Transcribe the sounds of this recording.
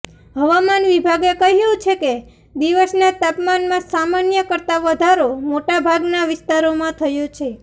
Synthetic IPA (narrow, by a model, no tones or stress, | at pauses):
ɦəʋamanʋibʱaɡekəɦijũt͡ʃʰeke | d̪iʋəsnat̪apmanmãsamanjəkəɾt̪aʋəd̪ʱaɾomoʈabʱaɡnaʋɪst̪aɾomãt̪ʰəjot͡ʃʰe